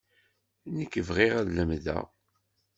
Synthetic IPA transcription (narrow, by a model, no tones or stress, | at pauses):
nəkːəvʁiʁæðləmðæ̰